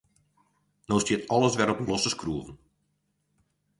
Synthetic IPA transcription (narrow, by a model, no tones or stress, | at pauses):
noːstjɪətɔlˠəsʋɛɾɔplɔsəskruəvən